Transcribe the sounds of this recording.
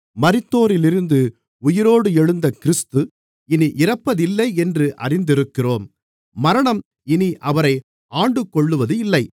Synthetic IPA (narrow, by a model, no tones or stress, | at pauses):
mɐɾɪt̪ːoːɾɪlɪɾɯnd̪ɯ | ʊjɪɾoːɽɯɛɻɯnd̪ɐkɪɾɪst̪ɯ | ɪniʔɪrɐpːɐðɪlːɐɪɛndrɯʔɐ̰rɪnd̪ɪɾɯkːɪroːmː | ɐɾɐɳɐm | ɪniʔɐʋɐɾɐɪ | aːɳɖɯkːɔɭːɯʋɐðɯɪlːɐɪ